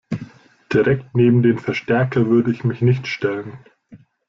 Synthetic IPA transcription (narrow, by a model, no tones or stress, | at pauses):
d̥iʁɛktneːbm̩deːnfɛɐʃtɛɐkʰɐvʏɐdəɪçmɪçnɪçtʃtɛlən